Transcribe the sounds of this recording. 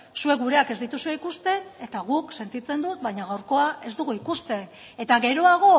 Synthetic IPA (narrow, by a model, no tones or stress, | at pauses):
sue̞ɣuɾe̞ake̞zd̪it̪usue̞ikust̪e̞ne̞t̪aɣukse̞nt̪it͡se̞nd̪ut̪̚baɲaɣawɾko̞ae̞zd̪uɣuikust̪e̞n | e̞t̪aɣe̞ɾo̞aɣ̞o̞